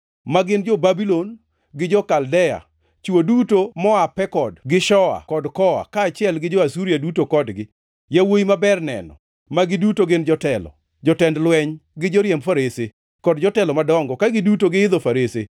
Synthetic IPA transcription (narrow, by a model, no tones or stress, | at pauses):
maɡɪnd͡ʒɔbabilon | ɡɪd͡ʒɔkaldɛja̰ | t͡ʃuodutomɔapɛkɔdɡɪʃɔa̰kɔdkɔa̰kaːt͡ʃɪɛlɡɪd͡ʒɔasuɾiadutokɔdɡɪ | jawoimabɛrnɛ̰nɔ̰ | maɡɪdutoɡɪnd͡ʒɔtɛlɔ̰ | d͡ʒɔtɛndlwɛɲɡɪd͡ʒɔɾjɛmfaɾese | kɔdd͡ʒɔtɛlɔmadɔŋɡɔkaɡɪdutoɡɪɪd̪ɔfaɾese